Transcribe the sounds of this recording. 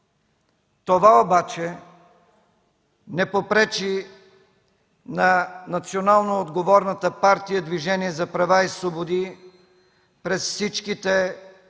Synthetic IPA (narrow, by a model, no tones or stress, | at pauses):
t̪ovaobat͡ʃɛ | nɛpopɾɛt͡ʃi | nɐnɐt̪sionalˠnoːd̪ɡovɔɾnət̪əpaɾt̪ijəd̪viʒɛniɛzɐpɾɐvaisvobod̪i | pɾɛsfsit͡ʃkit̪ɛ